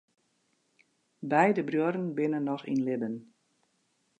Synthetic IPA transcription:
bɛjdəbrjuɾənbɪnənːɔxḭnlɪdən

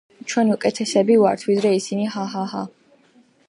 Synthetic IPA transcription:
t͡ʃʰwɛniukʼɛt̪ʰɛsɛbivaɾt̪ʰwid̪ɾɛisiniɦaɦaɦa

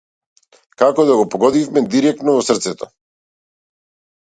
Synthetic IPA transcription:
kakɔd̪aɡɔpɔɡɔd̪ifmɛd̪iɾɛk̚t̪nɔvɔsr̩t̪sɛt̪ɔ

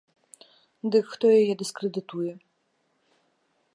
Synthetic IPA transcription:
d̪ɨkxt̪ɔjajɛd̪ɨskɾɛd̪ɨt̪ujɛ

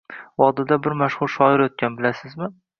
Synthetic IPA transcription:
wɒd̪ɪd̪abɪɾmaʃχʊɾʃɒɪɾot̪̚kʲʰanbɪlasɪzmɪ

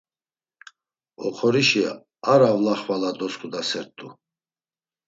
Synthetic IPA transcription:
ɔχʰɔɾiʃia̰ | aɾavlaχvalad̪ɔskʰʼud̪asɛɾt̪ʰʼːu

